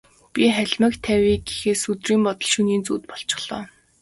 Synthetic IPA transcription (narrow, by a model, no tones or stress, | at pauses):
pʲiχæɮʲmə̆kt̪ʰːæwiːɡexeːsɵt̪riːmpɔt̪ɞə̆ɮʃuniːnt͡sṵːt̪̚pɔɬt͡ɕɪ̥̆χɮ̥ɔ̰ː